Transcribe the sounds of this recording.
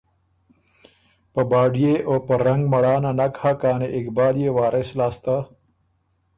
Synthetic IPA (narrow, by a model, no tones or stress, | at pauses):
pəbaːɖijeʔoːpɐɾɐŋɡmɐɽaːnanakhakaːneʔɪkbaːlijewaːɾʔeslaːst̪a